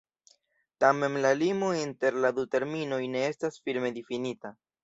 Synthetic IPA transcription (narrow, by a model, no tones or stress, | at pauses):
tame̞mlalimointe̞ɾladute̞ɾmino̞jne̞e̞stasfiɾme̞difinita